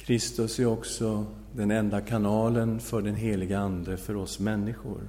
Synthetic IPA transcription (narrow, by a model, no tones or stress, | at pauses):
kʰɾɪst̪ɵsæɾɔksɔ | d̪ɛnɛnd̪akʰanɑːlənfœɖɛnɦeːlɪɡəand̪əfœɾɔsmɛnːɪɧʊ̰ɾ